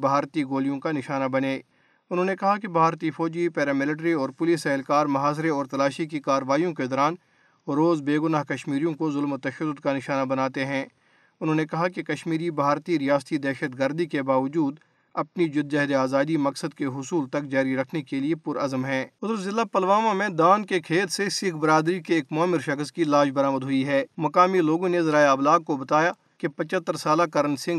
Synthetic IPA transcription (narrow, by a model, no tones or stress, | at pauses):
bʱaːɾt̪iɡoːlijõkanɪʃaːnabɐneː | ʊnɦõːnekɐɦakebʱaːɾt̪ifɔːd͡ʒipɛːɾamɪləʈ̬ɾiɔːɾpʊlisɛɦlkaːɾmɐɦaːs̬ɾeɔːɾt̪ɐlaːʃikikaːɾəʋaːijõked̪ɔːɾaːn | ɾoːzbeːɡʊnaːɦkɐʃmiːɾijõkozʊlmt̪ɐʃəd̪ːʊd̪kanɪʃaːnabɐnaːt̪eɦɛ̃ː | ʊnɦõːnekɐɦakekɐʃmiːɾibʱaːɾt̪iɾijaːst̪id̪ɛːʃət̪ɡəɾd̪ikebaːʋəd͡ʒuːd̪ | ɐpnid͡ʒʊd̪d͡ʒɐɦd̪eaːzaːd̪imɐksəd̪̚keɦʊsuːlt̪ɐk̚d͡ʒaːɾiɾɐkʰnekeliepʊɾɐzəmɦɛ̃ːʊzəɾzɪlːapɐlʋaːmamẽd̪aːnkekʰeːt̪sesɪkbɪɾaːd̪ɾikeːkmɔːmɪɾʃɐxəskilaːʃbɐɾaːməd̪ɦʊiɦɛːmɐkaːmiloːɡõnezɐɾaːeɐblaːɡ̚kobɐt̪aːja | kepɐt͡ʃət̪ːəɾsaːlakɐɾənsɪ̃ŋɡ